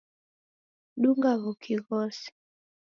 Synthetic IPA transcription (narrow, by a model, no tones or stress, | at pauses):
ɗuŋɡaɣɔkʰiɣɔsi̥